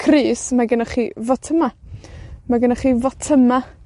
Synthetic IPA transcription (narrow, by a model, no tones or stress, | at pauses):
kʰriːsmaɡənaχiːvɔtʰəma | maɡənaχiːvɔtʰəma